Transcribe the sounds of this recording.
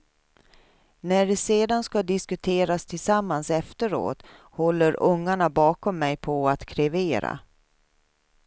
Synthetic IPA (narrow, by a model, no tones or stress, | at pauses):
næɖɛseːd̪anskad̪ɪskɵt̪ʰeːɾast̪ʰɪlsamːansɛft̪əɾo̰ːt̪ | hɔlːəɾɵŋːaɳabɑːkɔmːɛjpʰɔat̪kʰɾɛveːɾa̰